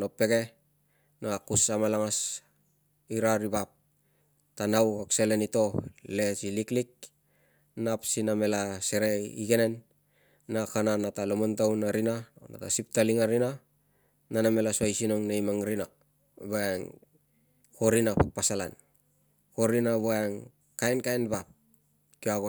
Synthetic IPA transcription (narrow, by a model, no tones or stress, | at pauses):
nopːe̞ɡe̞ | naakusamalaŋas | iɾaɾibap̚ | tanawaksele̞nito̞le̞siliklik̚ | napsiname̞lase̞ɾe̞ḭɡe̞ne̞nː | akananatalomontawnaɾinana̰ta̰sip̚taliŋaɾina | naname̞lasuajsinoŋnejmaŋɾina | boeŋ | koɾinapak̚pasala̰n | koɾinaβoeŋ | kaenkaenbap̚ | kiaɡo